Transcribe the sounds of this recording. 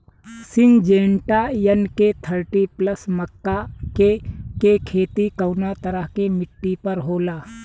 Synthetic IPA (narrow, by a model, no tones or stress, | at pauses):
sɪŋd͡ʒẽːɳʈajənket̪ʰəɾʈipləsmɐkːakekekʰeːt̪ikɐwnat̪ɐɾəɦkemɪʈːipəɾɦoːlaː